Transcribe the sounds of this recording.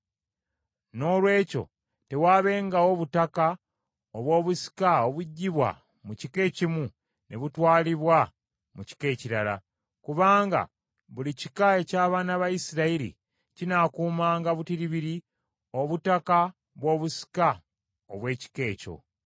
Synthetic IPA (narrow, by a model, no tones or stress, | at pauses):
no̞ːlwe̞ːco̞̰ | te̞waːβe̞ːŋɡaoβutaka | oβwo̞ːβusi̥kaoβuɟːiβwa̰ | mucike̞ːcimu | ne̞βutwaːliβwa | muci̥ke̞ːciɾala̰ | kuβaːŋɡa̰ | βulicikae̞caːβaːnaβaisiɾaiɾḭ | cinakuːmaːŋɡaβutiɾiβiɾi | o̞βutaka | βwo̞ːβusi̥ka | oβwe̞ːci̥ke̞ːco̞̰